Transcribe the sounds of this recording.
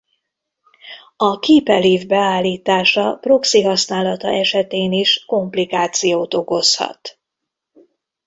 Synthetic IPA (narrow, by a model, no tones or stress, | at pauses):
ɒkiːpɛliːvbɛaːlːiːt̪aːʃɒpro̞ksiɦɒsnaːlɒt̪ɒ̰ʔɛʃɛt̪eːniʃko̞mplikaːt̪sijoːt̪o̞ko̞shɒ̰t̪